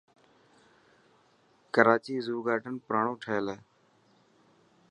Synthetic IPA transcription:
kəɾaːt͡ʃiːzuːɡaːʈənpɾaːɳõːʈʰəeleː

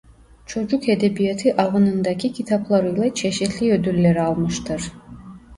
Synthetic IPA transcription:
t͡ʃʰo̞d͡ʒuked̪ebijat̪ʰiʔɑvɯnɯnd̪ɑcʰicʲʰit̪ʰaplˠaɾɯjlˠat͡ʃʰe̞ʃit̪ʰlʲiød̪ylːeɾialˠmɯʃt̪ʰɯɾ̥

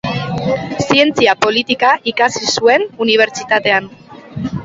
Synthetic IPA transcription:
sie̞nt͡siapo̞lit̪ikaʔikasisue̞nuniβ̞e̞ɾt͡ʃit̪at̪e̞an

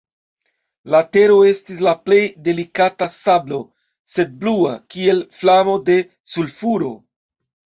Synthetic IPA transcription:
late̞ɾo̞e̞stis̬laple̞jde̞likatasablo̞ | se̞d̚blua̰kie̞lflamo̞de̞ | sulfuɾo̞̰

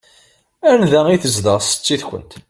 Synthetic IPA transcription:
ænðæiθəzd̪əʁsə̥t͡sːiθkʷə̰nt̪

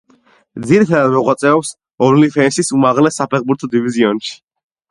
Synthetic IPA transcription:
d̪ziɾit̪ʰad̪ad̪mɔʁwat̪sʼɛɔps | ɔɾlifʰɛnsisumaʁlɛsːapʰɛχbuɾt̪ʰɔd̪iviziɔnʃi̥

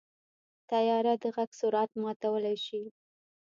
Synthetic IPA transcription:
t̪ajɑɾad̪əɣaɡsʊɾɑt̪mɑt̪awəlajʃi

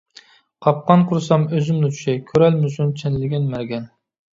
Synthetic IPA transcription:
qʰɑp̚qɑnqʰʊɾɨsɑmøzymnɪt͡ʃʰy̥ʃɛkʲʰøɾælmɪsunt͡ʃʰenlɪɡʲɛnmæɾɡʲɛn

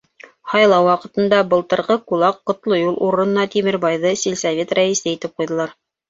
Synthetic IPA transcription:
hɑjlˠɑwwɑqɤ̆t̪ɤ̆nd̪ɑbɤ̆lˠt̪ɤ̆ɾʁɤqulˠɑqːŏt̪lˠojulˠʔuɾɤ̆nɤ̆nɑt̪imɘɾbɑjðɤsilʲsavʲet̪ræisɘit̪ɘp̚qujðɤ̆lˠɑɾ

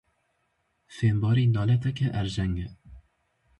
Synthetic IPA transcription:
feːmbɑːɾiːnɑːlɛt̪ɛkɛʔɛɾʒɛŋɡɛ

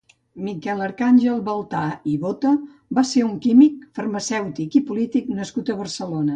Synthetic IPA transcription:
mikɛləɾkanʲʒəlˠβəlˠt̪aiβot̪ə | baseuŋkimikfərməsɛwt̪ikipulit̪iknəskut̪əβərsəlonə

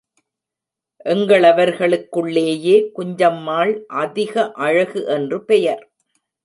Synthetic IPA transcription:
ʔɛŋɡɐɭɐʋɐɾɣɐɭɯkːɯɭːeːjeːkʊɲd͡ʒɐmːaːɭʔɐðɪɣɐʔɐɻɐɣɯʔɛndrɯpɛjɐɾ

